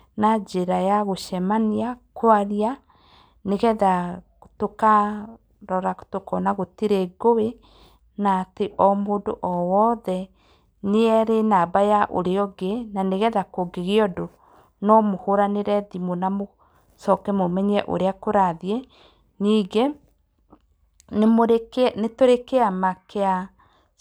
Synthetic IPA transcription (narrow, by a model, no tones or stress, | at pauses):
nad͡ʑeɾajaɣoʃɛmaniakoaɾia | neɣɛða | toka | ɾɔɾḁtokɔnaɣotiɾeɡowe | nateʔɔmoːndoʔɔwɔðɛ | neɛɾenaːbajaʔo̰ɾeɔɡenaneɣɛðakoɡeɣeɔdo | nɔmohoɾaneɾɛðimonamo | sɔkɛmomɛɲɛʔo̰ɾeakoɾaðiɛ | niːɡe | nemoɾenetoɾekeamakea